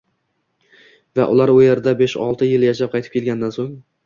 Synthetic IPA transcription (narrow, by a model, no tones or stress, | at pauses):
va̰ʔʊlˠaɾʊjeɾd̪abeʃɒ̰lˠt̪ʰɪjɪljaʃap̚qʰɑjt̪ɪ̥pkʲʰelɡʲand̪ansoŋ